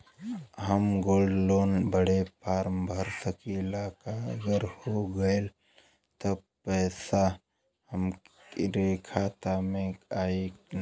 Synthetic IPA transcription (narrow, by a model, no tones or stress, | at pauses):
ɦəmɡoːlɖloːnbəɽepaːɾmbʱəɾsəkilaːkaə̰ɡəɾhoɡəel | t̪əb | pːɛːsa | həm | ɾekʰaːt̪aːmẽaːe